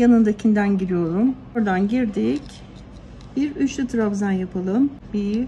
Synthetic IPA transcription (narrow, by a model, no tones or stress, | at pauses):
janɯnd̪acʰind̪ænɟiɾijo̞ɾumoɾd̪anɟiɾd̪ic | biɾyt͡ʃlʲyt̪ʰɯɾabzanjapʰɯlˠɯmbi